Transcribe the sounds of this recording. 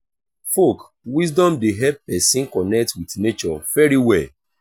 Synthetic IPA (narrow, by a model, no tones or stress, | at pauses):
fok | wis̬dɔ̃mdeɦɛp̚ːɛsĩnkɔnɛk̚twitnet͡ʃɔvɛɹiwɛl